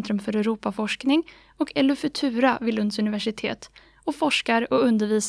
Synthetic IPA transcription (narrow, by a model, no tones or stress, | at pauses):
nt̪ɾɵmfœɾɛɾuːpafɔʂknɪŋ | ɔkʰɛlʉfʉt̪ʰʉ̟ːɾavɪlɵnd̪sɵnɪvæʂɪt̪ʰḛːt̪ | ɔfɔʂkaɾɔɵnd̪əɾviːs